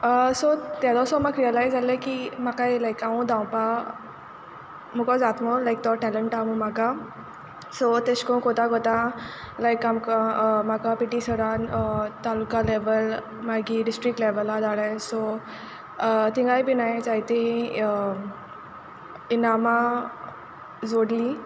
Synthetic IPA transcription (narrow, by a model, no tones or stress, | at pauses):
əsɔt̪jad̪ɔsɔmaɡɾiəlajzaləkimakajlajkaũd̪ãwpa | mukɔd͡zat̪mɔlajk̚t̪ɔʈɛləɳʈamumaka | sɔt̪eɕkɔ̃kot̪ãɡɔt̪ã | lajkamkamakapiʈisəɾant̪alukaleʋəl | maɡiɖisʈɾik̚ʈleʋəlːad͡zaɭəjso | t̪ĩŋɡajbinajid͡zajt̪eɦ | inama | d͡zoɽli